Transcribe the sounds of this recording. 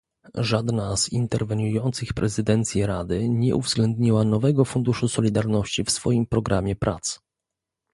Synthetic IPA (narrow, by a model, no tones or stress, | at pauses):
ʐad̪naz̥ḭnt̪ɛɾvɛɲujɔnt̪sɘxpɾɛzɘd̪ɛnt̪sʲjiɾad̪ɘɲɛʔṵvzɡlɛnd̪ɲiwanɔvɛɡɔfund̪uʂusɔlʲid̪aɾnɔɕt͡ɕifsfɔjimpɾɔɡɾʔamʲjɛpɾʔa̰t̪s